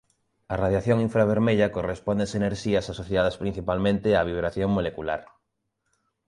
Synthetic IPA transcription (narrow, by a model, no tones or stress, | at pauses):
araðjaθjõŋiɱfɾaβ̞eɾmeʎakorespond̪eseneɾʃiasasoθjað̞aspɾin̟θipalmẽnt̪eaβ̞iβ̞ɾaθjoŋmolekula̰ɾ